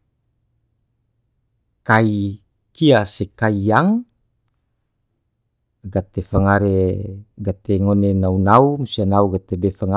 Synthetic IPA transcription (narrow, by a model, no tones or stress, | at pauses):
kai | kiasekaiaŋ | ɡat̪efaŋaɾeɡat̪eŋonenaunaumusianauɡat̪ebefaŋa